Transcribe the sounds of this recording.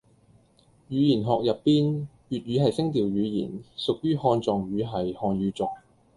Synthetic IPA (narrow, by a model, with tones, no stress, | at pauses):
jyː˨˧jiː˨˩nɦɔː˨k̚jɐ˨pːiː˥n | ɥyː˨t̚ɥyː˨˧ɦɐ˨jsɪ˥ŋt̪iː˨wjyː˨˧jḭː˨˩nsʊ˨k̚jyː˥hɔː˧nt͡sɔː˨ŋjyː˨˧ɦɐ˨jhɔː˧nɥyː˨˧t͡sɔː˨˩ŋ